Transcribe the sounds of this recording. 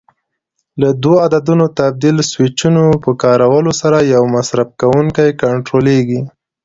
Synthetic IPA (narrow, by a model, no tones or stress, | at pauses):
lad̪woad̪ad̪unot̪ab̚d̪ilswɪt͡ʃunopəkɑɾawəlosaɾajawmasɾab̚kawuŋkajkaɳʈɾoleɡi